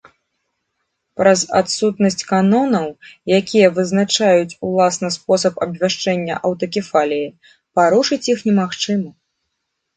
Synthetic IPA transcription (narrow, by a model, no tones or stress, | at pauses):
pɾɐza̰t̪sut̪nɐsʲt͡sʲkanɔnɐwjakʲijɐvɨznat͡ʂajut͡sʲulˠasnɐspɔsɐpɐbvʲaʂt͡ʂɛnʲːɐ̰ʔɐwt̪ɐkʲifalʲiji | paɾuʂɨt͡sʲjixnʲɛmaxt͡ʂɨmɐ